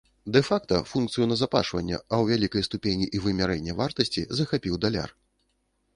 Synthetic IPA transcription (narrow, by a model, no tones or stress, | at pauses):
d̪ɛfakt̪ɐfunk̚t̪sɨjunɐzapa̰ʂvɐ̰nʲːɛ̰ɐwvʲalʲikɐjst̪upʲenʲiʔivɨmʲaɾɛnʲːɛvart̪ɐsʲt͡sʲizɐxapʲiwd̪alʲa̰r